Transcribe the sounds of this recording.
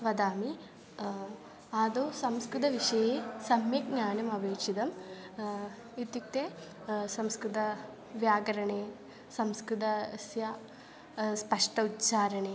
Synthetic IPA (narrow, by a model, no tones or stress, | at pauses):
ʋɐd̪aːmi | aːd̪oːsɐmskɾut̪ɐʋiʂɐjeːsɐmjɐk̚ɲaːnjɐmɐbʱeːkʂid̪ɐm | it̪juk̚t̪eː | sɐmskɾut̪ɐ | ʋjaːɡɐɾɐɳeː | sɐmskɾut̪ɐsja | spɐʂʈɐutːt͡ʃaːɾɐɳeː